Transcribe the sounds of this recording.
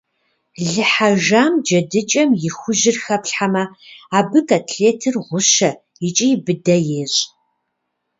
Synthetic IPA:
ɮɨħaʒaːmd͡ʒɐdɨt͡ʃʼɐmjɪxʷʊʒɪrxɐpɬħamɐaːbɨkatʰɬeːtʰɨrʁʷʊʃɐ | jɪt͡ʃʼijbɨdɐjeːɕʼ

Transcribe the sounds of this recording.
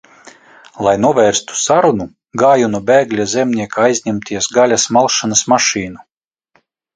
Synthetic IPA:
lˠajnuɔvʲɛːɾst̪u̥saɾunu | ɡaːjunubʲɛːɡlʲazʲɛmʲniɛkaajzʲɲʲɛmt̪ʰʲiɛsɡalʲasmalˠʃanasmaʃiːnu

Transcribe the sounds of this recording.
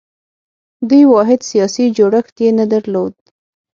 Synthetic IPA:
d̪ujwɑɦɪd̪sijɑsid͡ʒoɽəxt̪jenad̪aɾlod̪̚

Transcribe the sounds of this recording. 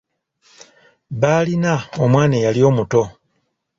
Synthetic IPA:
βaːlinaomwaːnejalijo̞ːmuto̞

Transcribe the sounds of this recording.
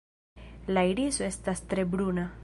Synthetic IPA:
lajɾizoest̪ast̪ɾebɾuna

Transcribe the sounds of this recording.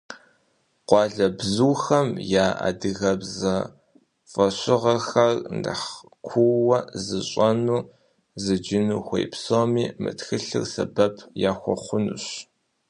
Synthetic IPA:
qʷɑːɮɐbzuwxɐmjaːa̰ːdɨɣɐbzɐ | fʼɐɕɪʁɐxɐrndɨ̰ħ | kʷʰuwɐzɨɕʼɐnuː | zɨd͡ʒɪnuːxʷḛjpsomiːmɨ̰txɨɬɨ̰rsɐ̰bɐpʰjaːxʷɔ̰χʷʊnṵɕ

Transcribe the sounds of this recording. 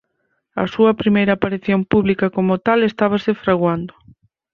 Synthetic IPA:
ɐ̰suɐpɾimejɾaːpaɾiθjompuβlikɐkomʊt̪alest̪aβ̞asɪfɾaɣwand̪ʊ

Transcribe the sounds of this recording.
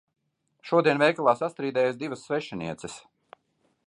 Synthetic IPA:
ʃuɔd̪iɛnvʲɛjkalˠaːsast̪ɾiːd̪ɛːjasd̪ivəsːvɛʃɛnḭɛt̪sɛs

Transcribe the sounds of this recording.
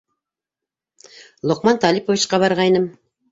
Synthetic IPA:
lˠŏqmɑnt̪ɑlʲipovʲit͡ʃqɑβɑɾʁɑjnɤm

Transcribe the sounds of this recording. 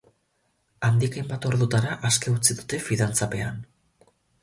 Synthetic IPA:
and̪ikajmbat̪o̞ɾðut̪aɾaʔaske̞ut͡siðut̪e̞fiðant͡sape̞an

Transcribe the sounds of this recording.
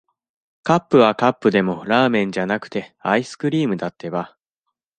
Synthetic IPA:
kapːɯ̟βakapːɯ̟d̪e̞mo̞ɾaːmẽ̞ɲ̟d͡ʑanakɯ̟̥t̪e̞aisɨ̥kɯ̟ɾʲiːmɯ̟d̪at̪ːe̞βa

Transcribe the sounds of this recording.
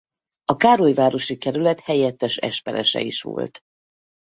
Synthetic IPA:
ɒkaːɾojvaːɾo̞ʃikɛɾylɛt̪hɛjɛt̪ːɛʃɛ̰ʃpɛɾɛʃɛ̰iʃʋo̰lt̪

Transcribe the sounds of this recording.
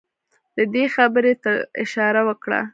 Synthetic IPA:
d̪̥əd̪exabəɾet̪aɪ̰ʃɑɾawəkɽa̰

